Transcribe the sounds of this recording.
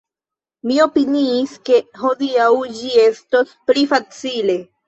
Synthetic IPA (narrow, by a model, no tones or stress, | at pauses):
mio̞piniːske̞ɦo̞diawd͡ʒie̞sto̞splifat͡sile̞